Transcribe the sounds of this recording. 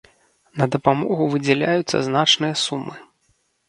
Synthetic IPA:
nɐd̪ɐpamɔɣuvɨd͡zʲɛlʲajut̪sːɐ̰znat͡ʂnɨjɐsumːɨ

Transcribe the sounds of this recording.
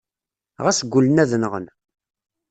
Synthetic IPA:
ʁæsəɡʷːʊlənæðnəʁən

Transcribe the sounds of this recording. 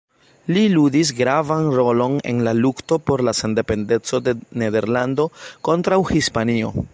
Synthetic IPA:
liludis̬ɡɾavanɾo̞lo̞ne̞̰nlalukto̞po̞ɾlase̞nde̞pe̞nde̞t͡so̞de̞ne̞de̞ɾlando̞ko̞ntɾawhispanio̞̰

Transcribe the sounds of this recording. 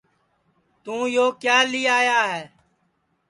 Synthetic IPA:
t̪ũːjoːkjaːliːaːjaːɦɛː

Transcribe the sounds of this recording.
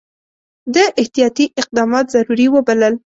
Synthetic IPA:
d̪əʔɪht̪ijɑt̪iʔɪq̚d̪ɑmɑt̪zaɾuɾiwəbaləl

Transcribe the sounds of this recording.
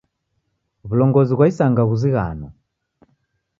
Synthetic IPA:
βulɔŋɡɔziɣwaisaŋɡaɣuziɣa̰nɔ

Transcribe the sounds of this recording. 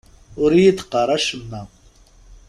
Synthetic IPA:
ʊɾiːd̪qɑɾaʃmna

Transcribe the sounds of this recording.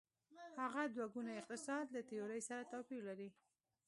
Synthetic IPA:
haɣad̪waɡunaɪq̚t̪ɪsɑd̪lat̪ɪjɑɾəjsaɾat̪ɑpiɾlaɾi

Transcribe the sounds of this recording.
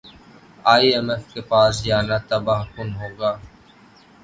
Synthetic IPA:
aːiːemeːfkepaːsjaːnat̪əbaːɦkʊnɦoːɡaː

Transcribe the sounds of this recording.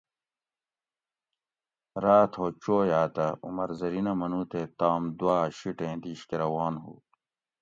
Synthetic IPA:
ɾaːt̪ʰɦoːt͡ɕoːjaːt̪ɐṵmɐɾzɐɾinɐmɐnũːt̪et̪aːmd̪uwaːɕiʈẽːd̪iːɕkeɾɐwaːnɦṵː

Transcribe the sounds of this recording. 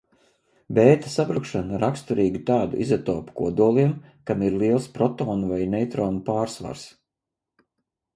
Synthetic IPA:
beːt̪ḁsabɾukʃanaɾakst̪uɾiːɡit̪aːd̪uʔizat̪oːpu̥kuɔd̪uɔlˠiɛmkamiɾlˠiɛlˠspɾɔt̪oːnvajnɛjt̪ɾoːnupaːɾsva̰ɾs

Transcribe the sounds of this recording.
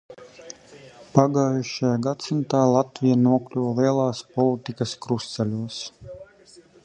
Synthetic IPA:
paɡaːjuʃajaɡat̪sint̪aːlˠat̪vʲijanuɔklʲuvliɛlˠɑːspɔlˠit̪ikaskɾust̪sɛlʲuɔs

